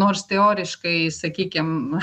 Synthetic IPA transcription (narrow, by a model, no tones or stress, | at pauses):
noːrst̪ʲɛoːɾʲɪʃkɐɪsɐkʲiːkʲɪm